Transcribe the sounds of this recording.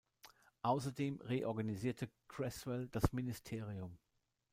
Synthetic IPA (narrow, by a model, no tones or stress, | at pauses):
ʔaʊsɐdeːmʁeːʔɔɐɡaniziːɐtʰəkʁ̥ɛsvɛld̥asmɪnɪstʰeːʁiʊm